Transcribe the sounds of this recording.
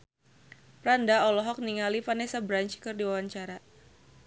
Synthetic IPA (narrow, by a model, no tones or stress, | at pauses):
pɾandaɔlɔɦɔk̚niŋalifanɛsabɾaɲt͡ʃkɨrdiwawaɲt͡ʃaɾa